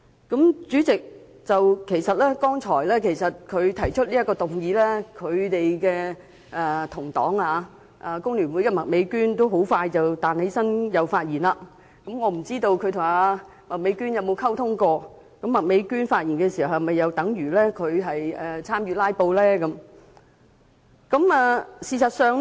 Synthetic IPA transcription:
kɐ˨˥mt͡syː˨˥t͡sɪ˨k̚ | t͡sɐ˨wkʰe˨˩jsɐ˨t̚lɛː˥kɔː˥ŋt͡sʰɔː˨˩jlɛː˥kʰe˨˩jsɐ˨t̚kʰɵ˨˧ɥt̪ʰɐ˨˩jt͡ʃʰɵ˥t̚liː˥jɐ˥kːɔː˧t̪ʊ˨˩ŋjiː˨˥lɛː˥kʰɵ˨˧ɥt̪e˨jkɛː˧ | ɛː˨˧t̪ʰʊ˨˩ŋt̪ɔː˨˥ŋaː˧ | ʔa˨˧kʊ˥ŋlyː˨˩nwu˨˥jkɛː˧mɐ˨k̚me˨˥jkyː˥nt̪o˥wɦo˨˥wfaː˧jt͡sɐ˨wt̪aː˨nhe˨˥jsɐ˥njɐ˨˧wfaː˧t̚jiː˨˩nlaː˧ | kɐ˨˥mŋɔː˨˧m̩˨˩t͡siː˥t̪o˧wkʰɵ˧t̪ʰʊ˨˩ŋaː˧ | mɐ˨˩k̚me˨˧˥jkyː˥njɐ˨˧wmo˨˧wkʰɐ˥wt̪ʰʊ˥ŋkɔː˧ | kɐ˨˥mːɐ˨˩k̚me˨˥jkyː˥nfaː˧t̚jiː˨˩nkɛː˧si˨˩hɐ˨˩whɐ˨˩mɐ˨jːɐ˨˧wt̪ɐ˨˥ŋjyː˨˩lɛː˥kʰɵ˨˧ɥɦɐ˨jɛ˨t͡sʰaː˥mjyː˧laː˥jpo˧wlɛː˥kɐ˨˦m | kɐ˨˦˥mɛː˨˧siː˨sɐ˨t̚sœː˨˧ŋ

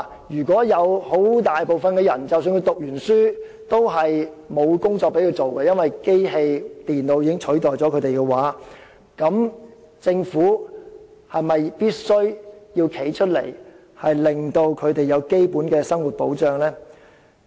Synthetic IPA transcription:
jyː˨˩kʷɔː˨˥jɐ˨˧who˨˥wt̪aː˨˩jpo˨wfɐ˨nkɛː˧jɐ˨˩nt͡sɐ˨ws̬yː˧nkʰɵ˧˥t̪ʊ˨k̚jyː˨˩nsyː˥ | t̪o˥wɦɐ˨j | mo˨˧wkʊ˥ŋt͡sɔː˧k̚pe˨˥jkʰɵ˧wt͡st͡ʃo˨wkɛː˧jɐ˥nwɐ˨jke˥jɦe˧jt̪iː˨nlo˨˧wjiː˧kɪ˥ŋt͡ʃʰɵ˨˥ɥt̪ɔː˨jt͡sɔː˨˥kʰɵ˨˧t̪e˨jkɛ˧waː˨˥ | kɐ˨˥m | t͡sɪ˧ŋfuː˨˥ | hɐ˨jmɐ˨jpiː˥t̚sɵ˥ɥjiː˧wkʰe˨˥jt͡ʃʰɵ˥t̚lḛ˨˩j | hɐ˨jlɪ˨˩ŋt̪o˧wkʰɵ˨˧ɥt̪e˨jɐ˨˧wke˥jpuː˨˥nkɛː˧sɐ˥ŋwu˨t̚po̰˨˥wt͡ʃœː˨ŋlɛː˥

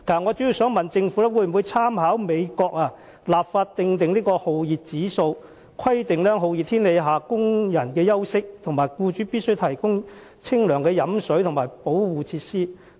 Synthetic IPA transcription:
k̪aː˨˩ŋɔː˨˧t͡ʃy˨˥ji˨˧wsœː˨˥ŋmɐ˨nt͡sɪ˧ŋfuː˨˥lɛ˥wuː˨˧jm˨˩wu˨˧jt͡sʰaː˥mhaː˨˥wme˨˧jkɔː˧k̚aː˧ | laː˨p̚faː˧t̚t̪ɪ˧ŋt̪ɪ˨ŋliː˥kɔː˧ho˨wjiː˨t̚t͡siː˨˥so˧w | kʰɐ˥jt̪ɪ˨ŋlɛː˥ɦo˨wjiː˨t̪ʰiː˥nle˨˧jɦaː˨˩kʊ˥ŋjɐ˨˩nkɛː˧jɐ˥wsɪ˥k̚t̪ʰʊ˨˩ŋmaː˨˩jkuː˧t͡ʃyː˨˥pi˥t̚sɵ˥ɥt̪ʰɐ˨˩jkʊ˥ŋ | t͡sʰɪ˥ŋlœː˨˩ŋkɛː˧jɐ˨˧˥msɵ˨˥ɥt̪ʰŋmaː˨˩jpo˨˥wwuː˨˧t͡sʰiː˧t̚siː˥

